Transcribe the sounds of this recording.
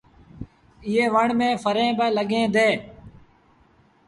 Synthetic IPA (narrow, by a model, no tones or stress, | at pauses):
ɪːeːʋəɳmẽːfəɾẽːbəːləɠẽːd̪eː